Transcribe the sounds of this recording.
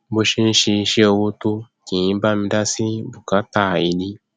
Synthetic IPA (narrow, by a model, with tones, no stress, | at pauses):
bo˧ʃi˧n̩˦ʃe˧i˧ʃe˦o˧wo˧to˦ | kĩ˨j̃ĩ˨˦ba˦mĩ˧˦da˦si˦bu˨ka˨˦ta˦˨i˧li˦